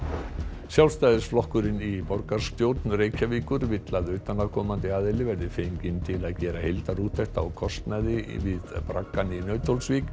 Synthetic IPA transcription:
sjawlst̪aːjðɪsflɔhkʏɾɪnipɔɾkaɾ̥st̪jowt̪nreːjcʰaviːkʏɾvɪt̪laðʏːt̪anakʰɔːmant̪ɪaːðɪlɪvɛɾðɪfejmcɪnt̪ʰɪlaðcɛːɾahejlt̪aɾuːt̪ʰːɛht̪awkʰɔst̪naðɪvɪðpɾakːaninœːɥt̪ʰowlsviːk

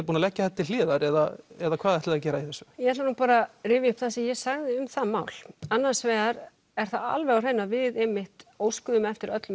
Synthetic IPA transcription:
puːnalɛcːaθɛt̪ːɪl̥ɪːðaɾɛðaɛðakʰvaːðɛht̪ɪaðcɛːɾaiθɛsːʏjɛɛt̪lanuːpaːɾarɪːvjɪʏhpθasɛmjɛsaɣðɪʏmθamaːwl̥anːasvɛːɣaɾ | ɛɾ̥θaa̰lvɛɣarɛjnːavɪðejmːɪht̪oːwskʏðʏmɛft̪ɪɾœt̪lʏ

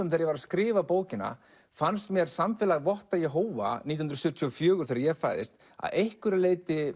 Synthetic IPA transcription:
ʏmθeɾjɛvaɾaðskɾɪːvapoːwcɪna̰ | fanst̪mjɛɾ̥samfɛːlaɣvɔht̪ajɛɦoːwva̰niːjhnɾsʏt̪ʰiɔfjœːɣʏ̥ɾ̥θeːɾaɾjɛɣfaːjðɪ̰st̪ | a̰ðejhkʏɾaleːjt̪ɪ

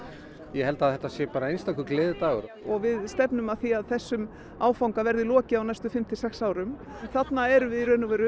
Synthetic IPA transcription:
jɛhɛlt̪aðɛht̪ːasjɛpaːɾaejnst̪akʏɾklɪːðt̪aːɣʏɾɔɣvɪðst̪ɛpnʏmaðθiaðθɛsːʏm | aːwfawŋkavɛɾðɪlɔːcɪawnajst̪ʏfɪm̥t̪ʰɪsɛksaːwɾʏm | θat̪naɛɾʏvɪðiɾœːnʏvɛːɾʏ

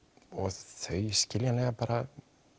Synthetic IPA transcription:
ɔɣθœɥscɪljanlɛɣapaːɾa

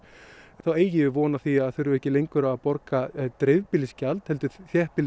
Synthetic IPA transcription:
nθaweːjɪɪvɔːnaθiaðθʏɥɾʏvɛhcɪlejŋkʏɾaːpɔɾkat̪ɾevpɪlɪscalt̪hɛlt̪ʏθjɛhpɪl

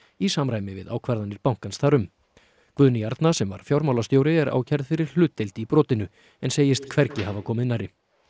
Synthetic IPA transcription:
isamɾaːjmɪvɪ̰ða̰ːwkʰvɛɾðanɪɾpawŋ̥kansθaɾʏm | kvʏðnɪjaɾt̪nasɛmva̰ɾ̥fjawɾmaːwlast̪joːwɾɪɛɾʔa̰ːwcʰɛɾðfɪɾɪɾ̥l̥ʏːt̪ːelt̪ɪipɾɔːt̪ɪnʏ | ɛnseːjɪst̪kʰvɛɾcɪhavakʰɔːmɪðnaɾɪ

